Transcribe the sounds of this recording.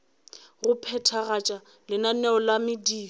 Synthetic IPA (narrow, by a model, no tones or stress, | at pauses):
ɣʊpʰɛtʰaɣat͡ʃʼa | lɪnanɛɔlamɪdiː